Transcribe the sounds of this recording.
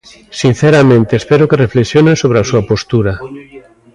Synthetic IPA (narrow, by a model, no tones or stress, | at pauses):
sin̟θeɾamẽnt̪eespɛɾokerefleksjonẽsoβɾeasuɐpost̪uɾa